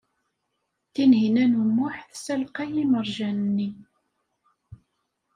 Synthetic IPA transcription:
θinɦinænumːʊħθsælqiliməɾˤʒænnːi

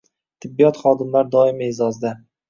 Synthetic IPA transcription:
t̪ʰɪbːijɒt̪χɒd̪ɪmlaɾd̪ɒɪmaezɒzd̪a

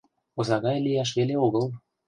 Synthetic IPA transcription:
ozɑɣɑjlijɑʃ̬βeleoɣəlˠ

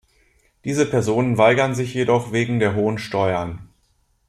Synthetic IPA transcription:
d̥iːzəpʰɛɐzoːnənvaɪɡɐnzɪçjedɔχveːɡŋ̩deːɐɦoːənʃtɔʏɐn

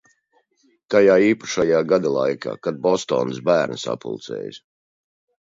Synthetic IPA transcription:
t̪ajaːiːpḁʃajaːɡad̪alˠa̰jkʰa̰ːkad̪̚bɔst̪ɔ̰ːnsbæːɾnɨsa̰pṵlˠt̪sɛ̰ːj̰s

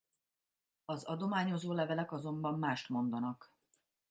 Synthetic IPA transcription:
ɒzɒd̪o̞maːɲo̞zoːlɛvɛlɛkɒzo̞mbɒmːaːʃt̪mo̞nd̪ɒnɒk

